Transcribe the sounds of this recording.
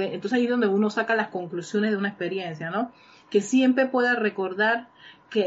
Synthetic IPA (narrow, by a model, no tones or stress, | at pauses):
eent̪oseajizðond̪euno̞sakalasko̞ŋklusjo̞nezðeunaespe̞ɾje̞nsjano̞ | ke̞sje̞mpɾe̞pwe̞ðare̞ko̞ɾðaɾke